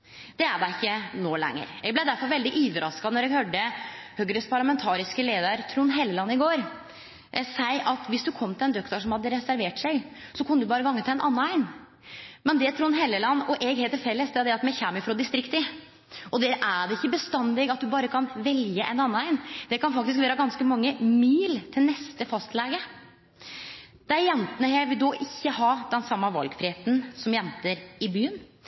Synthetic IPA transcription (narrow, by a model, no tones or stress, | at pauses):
d̪̥ɛæɖæɪkːənoːlɛ̰ŋːə̰ɾɛɡ̚blæɪd̪æɾfɔɾʋɛld̪ɪʔyːʋəɾɑskɑnɔɾɛɡhøːɖəhøːɡəɾəspʰɑɾɭɑmɛnt̪ʰɑːɾɪskəleːd̪əɾt̪ʰɾuːnɦɛlːəlɑnːɪɡoːɾ | sæɪʔɑt̪ʋɪsd̪ʉkʰɔmt̪ʰɪlɛnd̪œkt̪ɑʂɔmhɑd̪ːəɾɛsæɾʋeːʈsæɪɡ | sɔkʰʊnːəd̪ʉbɑːɾəɡɑŋːət̪ʰɪɛnʔɑnːəæɪn | mɛnd̪ɛt̪ʰɾuːnɦɛlːəlɑnːɔʔɛɡɦeɪt̪ːɪɾfɛlːəsd̪ɛæɾd̪ɛɑt̪mɛçæməfɾɔd̪ɪst̪ɾɪkt̪ə | ʔɔd̪æːɾʔæɖɛɪçːəbəst̪ɑnːlɛɡɑt̪̚d̪ʉbɑːɾəkʰɑnʋɛljəʔɛnɑnːəæɪnd̪̥ɛkʰɑnfɑkt̪ɪskʋæːɾəɡɑnskəmɑŋːəmiːlt̪ʰɪlnɛst̪əfɑst̪lɛɡə | d̪̥ɛæɾjɛnt̪ənəhæʋɪld̪oːʔɪçːəhɑːd̪ɛnsɑmːɑʋɑ̰lɡfɾɪheːt̪n̩sɔmjɛnt̪əɾɪbyːən